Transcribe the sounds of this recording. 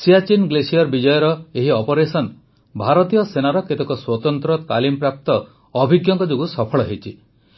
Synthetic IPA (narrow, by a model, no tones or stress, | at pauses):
sijat͡ʃinɡlesijɔɾbid͡ʒɔjɔɾɔeɦiɔpɔɾesɔn | bʱaɾɔt̪ijɔsenaɾɔket̪ekɔswɔt̪ɔnt̪ɾɔt̪alimpɾap̚t̪ɔː | bʱiɡjɔŋkɔd͡ʒoɡusɔpʰɔɭɔɦejt͡ʃʰi